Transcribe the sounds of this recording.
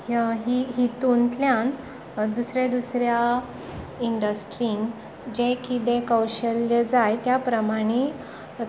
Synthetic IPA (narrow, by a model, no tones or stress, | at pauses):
ɦiɦit̪unt̪ljan | d̪usɾẽd̪usɾja | iɳɖəsʈɾiŋ | d͡ʑẽkit̪ẽkəwɕəljəd͡zajt̪japɾəmaɽ̃i